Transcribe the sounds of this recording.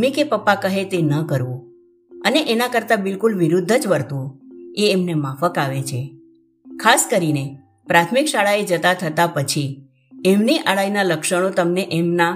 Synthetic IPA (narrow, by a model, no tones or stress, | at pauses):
mikepəpːakəɦet̪enəkəɾʋũ | əneʔenakəɾt̪abɪlkulʋiɾud̪ʱːəd͡ʒʋəɾt̪ũeːmnemafəkaʋet͡ʃʰe | kʰaskəɾine | pɾat̪ʰmikʃaɭaed͡ʒət̪at̪ʰət̪apət͡ʃʰi | emniʔaɭajnaləkʃəɽ̃ot̪əmneʔemna